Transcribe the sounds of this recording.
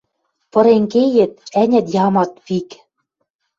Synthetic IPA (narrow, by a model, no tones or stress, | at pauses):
pɤ̆ɾeŋkejɘ̆t̪̚ænʲæ̆t̪jɑmɑt̪̚pik